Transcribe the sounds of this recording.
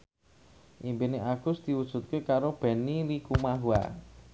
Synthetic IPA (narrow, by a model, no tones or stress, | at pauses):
ʔimpineʔaɡ̥ʊ̤sd̪̥i̤wud̥ʒ̥ṳt̪̚kekaɾob̥ɛ̤nilikumaɦua̰